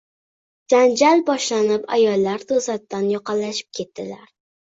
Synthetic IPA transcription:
d͡ʒand͡ʒalbɒʃlanɪpa̰jɒlˠːaɾt̪ʰozat̪̚ːanjɒqɑlːaʃɪ̥p̚kʲʰe̞t̪d̪ɪlaɾ

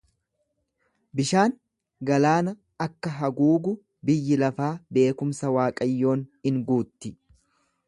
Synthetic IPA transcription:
bɪʃaːn | ɡɐlaːnɐ | ɐkːɐɦɐɡuːɡʊ | bɪjːɪlɐfaːbe̞ːkʊmsɐwaːkʼɐjːo̞ːnhɪŋɡuːt̪ːɪ

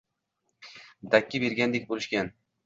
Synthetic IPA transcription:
d̪akʲːɪbeɾɡʲand̪ek̚ʲbolɪʃkʲan

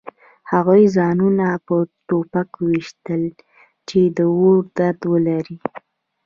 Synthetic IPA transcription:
haɣujzɑnunapət̪opakwiʃt̪əl | t͡ʃed̪əwoɾd̪aɾd̪wəlaɾi

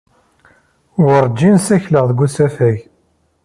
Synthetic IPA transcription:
wəɾˤd͡ʒːinsæçləʁðɡʷusæfæʝ

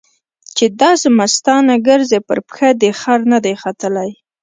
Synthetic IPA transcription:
t͡ʃed̪ɑsemast̪ɑnaɡəɾzepə̰ɾpxad̪əxaɾnad̪ajxat̪əlaj

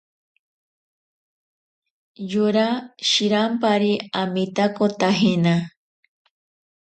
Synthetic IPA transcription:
juɾaʃiɾampaɾiamit̪akot̪aɦena

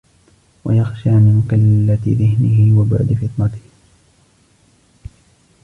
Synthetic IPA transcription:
wa̰jaxʃaːmɪmʊkalːat̪ɪðɪhnɪhɪwabʊ̰ʕd̪ɪfɪt̪ˤnɑt̪ɪ̥h

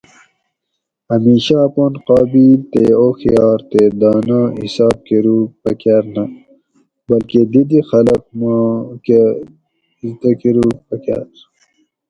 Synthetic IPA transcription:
ɐmiːɕaponqɑːbiːlt̪ḛoːxijɑːɾt̪ed̪ɑːnaḭsɑːb̚keɾuːpɐkaɾnɐ | bɐlked̪id̪ixɐlɐq̚make | izt̪ɐkeɾuːpɐka̰ɾ

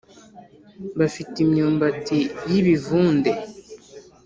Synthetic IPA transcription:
βafitimɲuːmbatijiβivuːnde

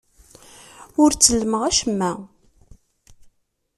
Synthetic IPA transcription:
ʊɾt͡sːəlːəməʁæʃəmːæ

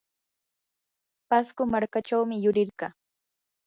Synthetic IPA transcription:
paskʊmaɾkaʈ͡ʂawmɪjʊɾɪɾɢɑ

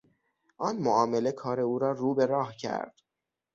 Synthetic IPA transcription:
ʔɒːnmoʔɒːme̞le̞kʰɒːɾe̞uːɾɒːruːbe̞ɾɒːhcʰæ̰ɾd̪̥

